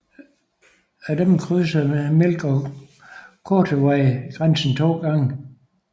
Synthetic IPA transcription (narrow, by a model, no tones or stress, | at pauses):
æd̥emkʰʁyːsɐmelɡ̥ɒ | kʰoːdʰəʋɑɪɡ̥ʁansn̩t͡sʰo̝̰ːɡ̥ɑ̈ŋə